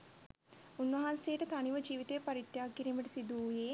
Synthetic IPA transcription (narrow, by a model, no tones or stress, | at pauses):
unːʋɐɦansejəʈət̪aniʋəd͡ʒiːʋit̪ejpɐɾit̪jaːkiɾiːməʈəsid̪uːjeː